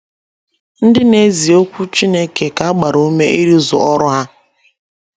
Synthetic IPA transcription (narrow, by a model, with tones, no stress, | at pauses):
n̩˦dɪ˦ne˦zi˨o˦kʷu˦t͡ʃi˦ne˦ke˨ka˨a˦ɡ͡ba˨ɾo˨u˦me˦ʔi˦ɾi˦zʊ̰˨ɔ˦ɾʊ˦ɦa˦